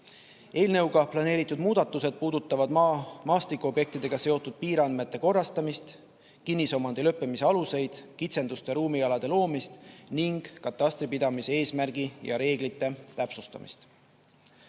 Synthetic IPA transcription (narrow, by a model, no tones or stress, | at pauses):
e̞ːlne̞wɡɑplɑne̞ːɾit̪ːˑud̪muːd̪̥ɑt̪ːˑuse̞d̪̥̚puːd̪̥ut̪ˑːɑvɑd̪mɑːst̪ikuo̞bje̞k̚t̪id̪e̞ɡ̥ɑse̞o̞t̪ːˑud̪̥̚piːɾɑnme̞t̪ːˑe̞ko̞rːɑst̪ɑmist̪ | kinːiso̞mɑnd̪elɤ̞pːemise̞ɑluse̞jd̪̥kit̪se̞nd̪ust̪e̞ɾuːmiɑlɑd̪̥e̞lo̞ːmist̪niŋɡ̥kːɑt̪ːˑɑst̪ɾipid̪̥ɑmise̞e̞ːsmærɡ̥ijɑ̰ɾe̞ːɡ̥lit̪ːˑe̞t̪æpsust̪ɑ̰mḭst̪